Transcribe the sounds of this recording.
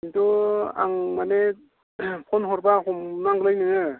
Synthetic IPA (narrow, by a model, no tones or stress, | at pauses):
intɔa̰ŋmane | pʰɔnɦɔɾbahɔmnaŋɡlajnɯɯ